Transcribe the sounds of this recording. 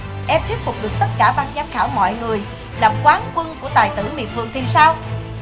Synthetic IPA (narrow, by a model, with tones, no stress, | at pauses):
ʔɛ˧mt̪ʰwət̚fʊ˨˩k͡p̚ɗɨ˨˩ək̚t̪ə˦˥t̚kaː˧˩ɓaː˧nzaː˨˧˦mxaː˧˩wmɔ̰˧˨jŋɨ˨˩əj | laː˨˩mkwaː˨˦nkwə˧nku˧˩ət̪aː˨˩jt̪ɨ˧˩mḭ˨ət̚vɨ˨˩əŋt̪ʰi˨˩saː˧w